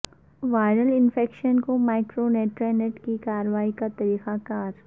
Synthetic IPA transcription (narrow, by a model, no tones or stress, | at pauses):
ʋaːɪɾəlɪnfʰeːkʃənkomaːɪkɾoneːʈɾɛːneʈkikaːɾəʋaːikat̪ɐɾiːxakaːɾ